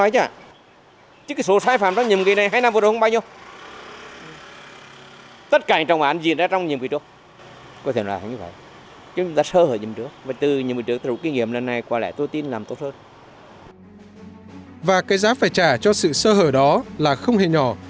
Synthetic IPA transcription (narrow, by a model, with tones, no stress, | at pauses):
ɔ˨˦jt͡ɕa̰ː˧˩ | t͡ɕɨ˦˥kːso˨˦saː˧jfaː˧˨˩mt͡ɕɔ˧wŋ͡mɲi˨˩mki˨˩na˨˩jɦaː˧jna˧mvɗhŋ͡mɓaː˧ɲə˧w | t̪ə˦˥t̚kaː˧˩ɲ˨˦ŋt͡ɕɔ˨˩ŋ͡mɓaː˨˦nzi˨˩ənzaː˧t͡ɕɔ˧wŋ͡mɲi˨˩əmki˨˩u˧ə | kɔ˧˦t̪ʰe˧˩n̰ː˨˧˨ha̰˨˧˦jɲɨ˧və̰˧˨jʔ | t͡ɕɨ˧˦t͡ɕʊu˨˦ŋ͡mt̪aː˧səː˧həː˧˩ɲi˨˩ə˩nt͡ɕɨ˨˦ək̚vaː˨˩t̪ɨ˨˩ɲḭ˨mi˨˩t͡ɕɨ˨˦ət̪̚ːu˧˥˦ki˧ŋḭ˧˩əmlə˨˩nːa˨˩jkwaː˧˩lɛ̰˧˥˨t̪o˧jt̪i˧nlaː˨˩mt̪o˦˥t̚həː˧n | vaː˨˩kaː˨˦jzaː˨˦faː˧˩jt͡ɕaː˧˩t͡ɕɔ˧sɨ̰˧˨səː˧ɦəː˧˩ɗɔ˨˦laː˨˩xə˧wŋ͡mhe˧˩ɲɔ˧˩